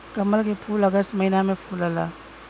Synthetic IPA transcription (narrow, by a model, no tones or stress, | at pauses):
kɐməlɡepʰulɐɡəsmɐjnamepʰulɐla̰